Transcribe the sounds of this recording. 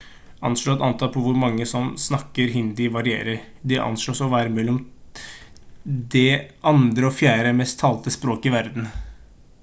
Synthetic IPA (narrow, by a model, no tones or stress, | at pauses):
ʔɑ̰nʂɭoːt̪ɑnt̪ʰɑːpʰɔʋʊɾmɑŋːəsɔmsnɑkːəɾɦɪnd̪ɪʋɑɾɪḛːɾəɾ | d̪ɛʔɑ̰nsɭoːsɔʋæːɾəmɛlːɔm | d̪ɛʔɑnd̪ɾəɔfjæːɾəmɛst̪ʰːɑːlt̪əspɾoːkɪʋæɾd̪n̩